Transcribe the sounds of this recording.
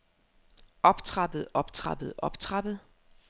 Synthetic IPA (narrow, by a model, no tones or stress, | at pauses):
ɒ̽b̥t͡sʰʁɑ̈b̥əð̩ˠɒ̽b̥t͡sʰʁɑ̈b̥ð̩ˠɒ̽b̥t͡sʰʁɑb̥ð̩ˠ